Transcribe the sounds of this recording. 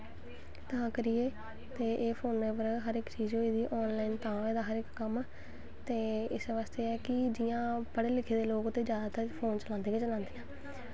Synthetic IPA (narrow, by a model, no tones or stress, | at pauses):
t̪əãːkəɾijeː | t̪eːʔeːpʰoːnʋeːpəɾɦəɾɪkt͡ʃiːzɦoiːd̪iːʔɔːnlaːiːnt̪ãːeːd̪aːɦəɾɪkːəm | t̪eːɪsʋaːst̪eːɛːkɪd͡ʒɪjãːpəɽeːlɪkʰeːd̪eːloːkt̪ẽːd͡ʒjaːd̪aːt̪əɾpʰoːnt͡ʃəlãːnd̪eːjãːt͡ʃəlãːnd̪eːãː